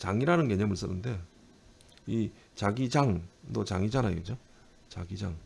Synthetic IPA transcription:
t͡ɕaŋiɾanɯnke̞ɲʌmɯɭs͈ʌnːɯnde̞ | i | t͡ɕaɡid͡ʑaŋdot͡ɕa̰ŋid͡ʑanajoɯd͡ʑo | t͡ɕa̰ɡid͡ʑaŋ

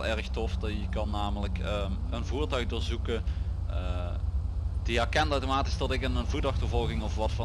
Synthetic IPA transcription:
lˠʔɛɹəxtɔfdjəkɑnːaːmələkə | ənvuːɹtœɥxdoːɹzukə | ə | d̥iɛɹkɛntəwtomaːti̥sdɑtɪkənənvutɑxtəɹvɔlˠɣɪŋɔfʋɑtfɑ

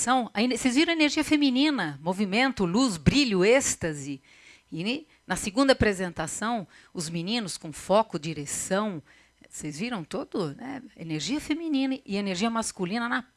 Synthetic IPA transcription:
sɐ̃w̃ɐensejzviɾɐ̃w̃eneɾʒiɐfeminĩnɐmovimẽnt̪ʊluzbɾiʎʊest̪ɐzɪ | ɪ | nɐseɡũnd̪ɐapɾezẽnt̪asɐ̃w̃ | ʊzminĩnʊskõfɔkʊd͡ʒiɾesɐ̃w̃ | sejzviɾɐ̃w̃t̪od̪ʊnɛ̰ḛneɾʒiɐfemĩnĩnɐʔɪeneɾʒiɐmaskulĩnɐnɐ

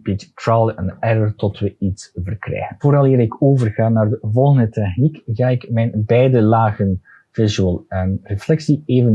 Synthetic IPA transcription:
bittɹalˠɛnɛɹətɔtʋəitsvərkrɛ̰jɣənvoɾɑlˠɪːɾɪkʰoːvərɣaːnaːrdəvɔlˠɣəndətɛxnikɣaːɪkmɛjnbɛjdəlaːɣən | v̥ɪzyəlˠənreflɛksieːvən

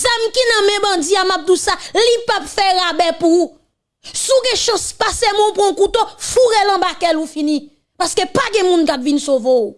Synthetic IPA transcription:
zamkinɐ̃mɛ̃bʌ̃d͡ziamap̚d̪ũsalipapfɛɣabɛpuu | suɡɛ̃ʃãspasemɔ̃pɔ̃kut̪ofuɣelãbakɛlufinĩ | paskepaɡɛ̃mũnkapvinsovou

